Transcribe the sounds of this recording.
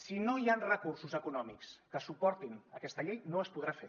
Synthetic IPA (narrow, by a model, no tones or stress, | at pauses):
sinoianrəkursuzəkunɔmikskəsupɔɾt̪inəkɛst̪əʎejnoəspuðɾafe